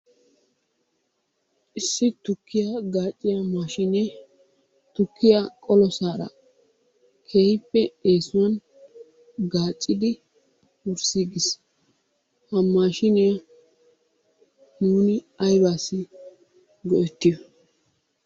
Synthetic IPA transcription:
ʔɪsːɪt̪ʊkːɪjaɡaːt͡ʃʼːɪjɐmaːʃɪnɛ | t̪ʊkːɪjakʼɔlɔsaːɾɐ̰ | kʰeːhɪpːɛeːsʊwɐn | ɡaːt͡ʃʼːɪd̪ɪ | wʊɾsiːɡɪs | hɐmːaːʃɪnɪjɐ | nuːnɪ | ɐjbaːsːɪ | ɡɔʔɛt̪ːɪjɔ

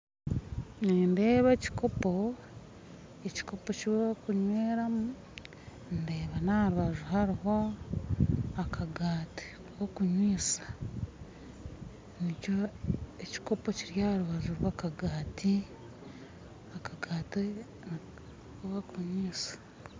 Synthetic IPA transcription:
neːnde̞ːβeci̥ko̞po̞ | eci̥ko̞pociβkuɲweːɾamu | nde̞ːβanaɾuβaʒuɦaɾiɦo̞ | akʰaɡaːti̥ | wokuɲwiːsḁ | nicoeci̥ko̞po̞ciɾjaɾuβaʒuɾwakaɡaːti | akaɡaːte | n | βakuɲwiːsḁ

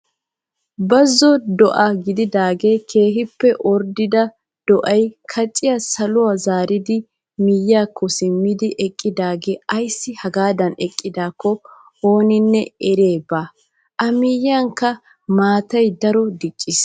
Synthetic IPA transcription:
bɐzːɔd̪ɔʔɐɡɪd̪ɪd̪aːɡe̞ːkʰe̞ːɦɪpːɛʔɔɾd̪ɪd̪ɐ | d̪̥ɔʔɐjkʰɐt͡ʃʼːɪjasɐlʊwazaːɾɪd̪ɪ | mijːaːkʰːɔsɪmːɪd̪ɪʔɛkʼːɪd̪aːɡe̞ːʔɐjsːɪhɐɡaːd̪ɐnɛkʼːɪd̪aːkːɔ | ho̞ːnɪnːɛɛɾeːbaː | ʔɐmɪjaŋkːɐ | maːt̪ɐjd̪ɐɾɔd̪ɪt͡ʃʼːɪs

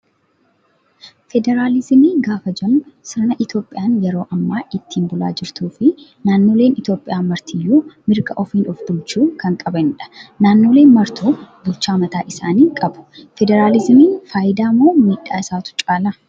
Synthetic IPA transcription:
fɛd̪ɛɾaːlɪzmiːɡaːfɐd͡ʒɐnsɪɾnɐʔɪt̪jo̞ːpʼɪjaːnjɛɾo̞ːʔɐmːaːʔɪt̪ːiːnbʊla̰ːd͡ʒɪɾt̪uːfɪ | naːnːo̞ːle̞ːnɪt̪jo̞ːpʼːɪjaːmɐɾt̪ʰijːuːmɪɾɡɐʔɔfiːnɔfbʊlt͡ʃuːkɐŋkʼɐbɐnᶑɐ̥naːnːo̞ːleːnmɐɾt̪ʰuːbʊlt͡ʃːaːmɐt̪aːʔɪsaːniːŋkʼɐbʊ̥fɛd̪ɛɾaːlɪzmiːnfaːjɪd̪aːmːo̞ːmiːᶑːaːɪsaːt̪ʊ̥t͡ʃʼaːlɐ

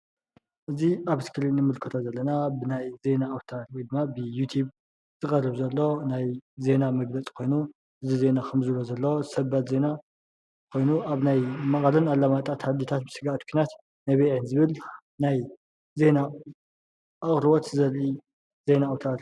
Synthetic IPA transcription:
ʔɨziaβɨskʰɨlinɨmɨlkʰɨt̪ʰazɐlːɐnabɨnajze̞naːwt̪ʰaɾujd̪ɨmːabɨjut̪ʰjuβ | z̥ɨkʼɐrɨβzɐlːo̞najze̞namɐɡlɐt͡sʼkʰo̞jnu | ʔɨzize̞nakʰɨmzɨlozɐlːosɐbat̪ze̞na | kʰo̞jnuʔaβnajmɐχʼɐlɨnalːamat̪ʼat̪ʰhad̪it̪ʰat̪̚bɨsɨɡaʔt̪kʰinat̪ | najβeʕɨnzɨβɨl | naj | ze̞na | ʔaχʼɾɨβot̪zɐlʔi | ze̞naawt̪ʰaɾ

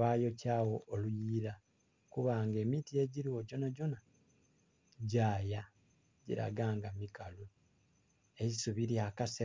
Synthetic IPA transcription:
aːjo̞caːwo̞ːlujiːɾa | kuβaːŋɡe̞ːmitie̞ɟiɾiwo̞ɟo̞naɟo̞na | ɟaːja | ɟḭɾa̰ɡaːŋɡamikalu | eisuβiɾiakase

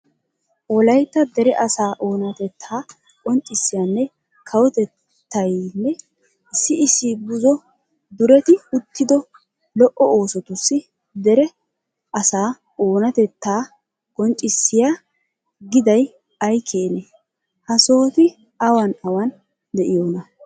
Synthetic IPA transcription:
ɔlɐjt̪ːɐd̪ɛɾɛʔɐsaːʔo̞ːnɐt̪ɛt̪ʰːaː | kʼɔnt͡ʃʼːɪsːɪjanːɛ | kʰɐwɔt̪ɛt̪ː | ɐjnːɛ | ɪsːɪɪsːɪbʊzɔ | d̪ʊɾɛt̪ɪʊt̪ːɪd̪ɔ | lɔʔɔoːsɔt̪ʊsːɪ | d̪ɛɾɛ | ɐsaː | oːnɐt̪ɛt̪ːaː | kʼɔnt͡ʃʼɪsːɪja | ɡɪd̪ɐj | ɐjkʰeːne | hɐso̞ːt̪ɪ | ɐwɐnɐwɐn | d̪ɛʔɪjoːnɐ

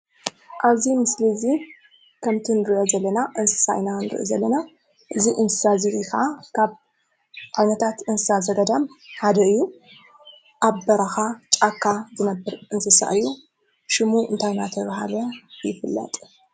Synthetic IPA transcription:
ʔaβzimɨslizi | kʰɐmt̪ʰinɨɾɨʔozɐlːɐnaʔɨnsɨ̥sa̰jnanɨɾɨ̰ʔḭzɐlːɐna | ʔɨziʔɨnsɨ̥sazɨɾixakʰaβ | ʕajnɐt̪ʰat̪ɨnsɨsazɐd̪ɐd̪amħad̪ɐɨjːu | ʔaβbɐɾaxat͡ʃʼakʰːazɨnɐbɨɾʔɨnsɨsa̰ʔɨjːu | ʃɪmuʔɨ̰nt̪ʰajnat̪ʰɐβɦa̰lɐjɪfɨlːɐ̰t̪ʼ

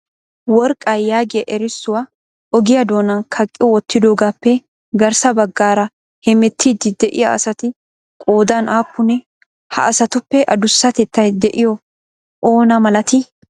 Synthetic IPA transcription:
wɔɾkʼːɐjːaːɡɪjɐʔɛɾɪsːʊwa | ʔɔɡɪjɐd̪o̞ːnɐnkʰɐkʼːɪwɔt̪ːɪd̪o̞ːɡaːpːɛ | ɡɐɾsɐbɐɡːaːɾɐ | hɛmɛt̪ʰːiːd̪ɪd̪ɛʔɪjaɐ̰sɐt̪ɪ | kʼoːd̪anaːpːʊnɛ | hɐ̰ʔɐsɐt̪ʊpːɛʔɐd̪ʊsːɐt̪ɛt̪ːɐjd̪ɛʔɪjɔ | ʔoːnɐmɐlɐt̪ɪ

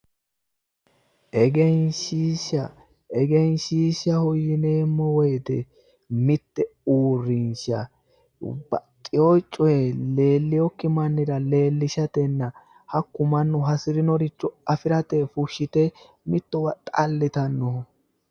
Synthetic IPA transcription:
ʔɛɡɛnʃiːʃɐ | ʔɛɡɛnʃiːʃɐhɔjɪneːmːɔwɔjd̪ɛ̰ | mɪt̪ːɛuːrːɪnʃɐ | b̥ɐtʼːɪɔjt͡ʃʼːɔjɛle̞ːlːɪjɔkːɪmɐnːɪdɐle̞ːlːɪʃɐt̪ɛnːɐ | hɐkːʊmɐnːʊɦɐsɪɾɪnɔɾɪt͡ʃːɔɐfɪɾɐt̪ɛfʊʃːɪt̪ɛ | mɪt̪ːɔwɐt̪ʼɐlːɪt̪ɐnːɔ

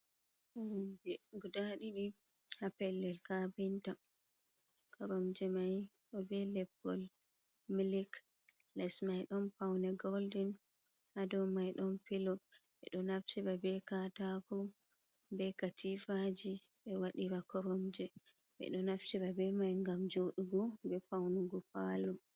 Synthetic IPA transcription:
kɔɾɔmd͡ʒɛɡudaɗiɗihapɛlːɛlkabinta | kɔɾɔmd͡ʒɛmajʔɔbɛlɛbːɔl | miliklɛsmajɗɔnpawnɛɡɔldin | hadɔmajɗɔnfilɔʔɛɗɔnaft͡ʃiɾabɛkatakɔ | bɛkatifad͡ʒiɓɛwaɗiɾakɔɾɔmd͡ʒɛʔɛ̰ɗɔnaft͡ʃiɾabɛmajŋɡamd͡ʒoɗuɡɔbɛpawnuɡɔpalu

